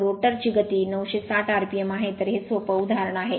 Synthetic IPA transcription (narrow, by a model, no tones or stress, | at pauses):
ɾoʈəɾt͡ɕiːɡət̪iːnəwɕesaʈʰaɾpiemaɦet̪əɾɦesʋəpəud̪ʱaɾəɳaɦe